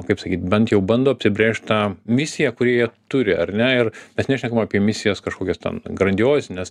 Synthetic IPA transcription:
kɐɪpsɐkʲiːt̪bʲɛnt̪jɛʊbɐnd̪oːɐpʲsʲɪbʲɾʲeːʃʲt̪̚ʲt̪ɑːmʲɪsʲɪjɛkʊɾʲiɛjiɛt̪ʊɾʲɪɐrnʲɛɪrmʲɛsnʲæʃʲnʲɛkɐmɐːpʲiɛmʲɪsʲɪjɛskɐʃkoːkʲɛstʲɛ̰nɡrɐnʲdʲoːsʲnʲɛs

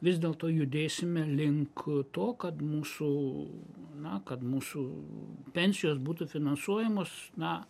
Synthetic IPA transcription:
ʋʲɪzʲd̪ʲeːlˠt̪oːjʊd̪ʲeːsʲɪmʲɛlʲɪŋkt̪oːkɐt̪muːsʊ | nɐkɐt̪muːsʊpʲɛnʲsʲɪjoːsbuːt̪ʊfʲɪnɐnsuɔjɛmoːsnɐ

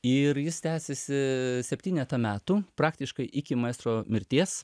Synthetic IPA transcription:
ɪɾjɪst̪ʲæːsʲɛsʲɪsʲɛpʲt̪ʲiːnʲɛt̪ɐmʲæːt̪uːpɾɑːkt̪ʲɪʃkɐɪʔɪkʲɪmɐɛːst̪ɾoːmʲɪɾʲt̪ʲiɛs

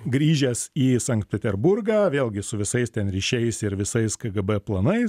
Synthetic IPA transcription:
ɡɾʲiːʒʲɛsiːsɐŋkt̪̚pʲɛt̪ʲɛɾbʊrɡɑːʋʲeːlʲˠɡʲɪsʊʋʲɪsɐɪst̪ʲɛnɾʲiːʃʲɛɪsɪɾʋʲɪsɐɪskɐɡɐbɛplˠɐnɐɪs

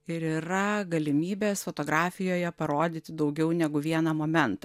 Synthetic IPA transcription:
ɪɾiːɾɐɡɐlʲɪmʲiːbʲeːsfoːt̪oːɡɾɑːfʲɪjoːjɛpɐɾoːd̪ʲiːt̪ʲɪd̪ɒʊɡʲɛʊnʲɛɡʊʋʲiɛnɐmoːmʲɛnt̪

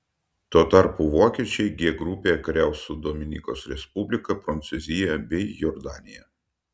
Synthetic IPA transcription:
t̪uːɔt̪ɑˑɾpuʋoːkʲiɛt͡ʃʲɛɪɡʲiɛɡɾʊpʲeːkɾʲɛˑʊsʊd̪oːmʲɪnʲḭːkoːsɾʲɛspʊbʲlʲɪkɐpɾɐnt̪sʊzʲɪjɛbʲɛɪjɔɾd̪ɑːnʲɪjɛ

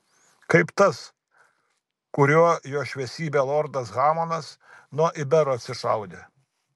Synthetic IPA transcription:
kɐɪpt̪ɐs | kʊɾʲuɔjoːʃʲʋʲɛsʲiːbʲeːlˠɔːɾd̪ɐsɣɑːmoːnɐsnuɔʔɪbʲɛɾoːɐt̪ʲsʲɪʃɐʊd̪ʲe

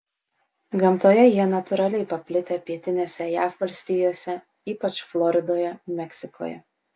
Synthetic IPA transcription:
ɡɐmt̪oːjɛjiɛnɐt̪ʊɾɑlʲɛɪpɐpʲlʲɪt̪ʲeːpʲiɛt̪ʲɪnʲeːsʲɛjæːfʋɐlʲsʲt̪ʲiːjoːsʲɛ | iːpɐt͡ʃflˠɔɾʲɪd̪oːjɛmʲɛkʲsʲɪkʰo̰ːjɛ̰

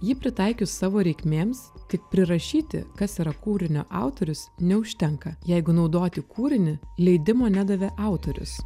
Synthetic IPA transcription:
jɪpʲɾʲɪt̪ɐɪkʲʊsːɑːʋoːɾʲɛɪkʲmʲeːmst̪ʲɪk̚pʲɾʲɪɾɐʃʲiːt̪ʲɪ̰kɐsiːɾɐkuːɾʲɪnʲo̰ːʔɑˑʊt̪oːɾʲʊsnʲɛʊʃʲt̪ʲɛŋkɐjɛɪɡʊnɒʊd̪oːt̪ʲɪkʰuːɾʲɪnʲɪlʲɛɪd̪ʲɪmoːnʲæd̪ɐʋʲeʔɑˑʊt̪oːɾʲʊ̰s

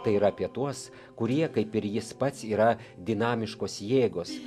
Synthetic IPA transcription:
t̪ɐɪiːɾɐɐpʲiɛt̪uɔs | kʊɾʲiɛkɐɪpɪɾjɪspɐt̪ʲsiːɾɐd̪ʲɪnɑːmʲɪʃkoːsjeːɡoːs

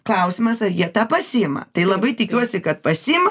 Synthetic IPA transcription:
klˠɐʊsʲɪmɐsɐɾjiɛt̪ɑːpɐsʲiɪmɐ̰t̪ɐɪlˠɐbɐɪt̪ʲɪkʲuɔsʲɪkɐt̪̚pɐsʲimɐ

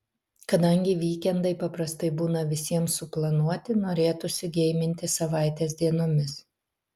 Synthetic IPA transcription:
kɐd̪ɐŋʲɡʲɪʋʲiːkʲɛnd̪ɐɪpɐpɾɐst̪ɐɪbuːnɐʋʲɪsʲiɛmsʊplˠɐnuɔt̪ʲɪnoːɾʲeːt̪ʊsʲɪɡʲɛɪmʲɪnʲt̪ʲɪsɐʋɑˑɪt̪ʲeːs̬ʲd̪ʲiɛnoːmʲɪs

